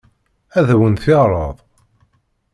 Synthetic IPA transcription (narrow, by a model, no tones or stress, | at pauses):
æðæwənθɪʁɾˤəðˤ